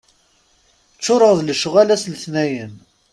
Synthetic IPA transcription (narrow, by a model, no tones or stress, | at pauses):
t͡sːʊɾˤəʁðləʃʁælæslθnæjən